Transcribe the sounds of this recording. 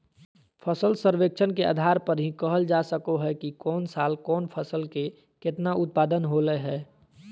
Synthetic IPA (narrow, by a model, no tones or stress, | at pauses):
pʰəsəlsəɾʋeːk̚t͡ʃʰənkea̰ːd̪ʱaːɾpəɾɦĩkəɦəld͡ʒasəkoɦɛkikɔːnsaːlkɔːnpʰəsəlke | ket̪naʔʊt̪̚paːd̪ənɦolɛɦɛː